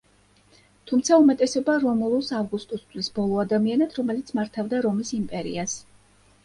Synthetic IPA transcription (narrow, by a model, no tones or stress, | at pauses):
t̪ʰumt̪sʰaumɛt̪ʼɛsɛbaɾɔmɔlˠɔsavɡust̪ʼɔst̪ʰʼwisbɔlˠɔad̪amianat̪ʰɾɔmɛlit̪sʰmaɾt̪ʰavd̪aɾɔmisimpʼɛɾḭas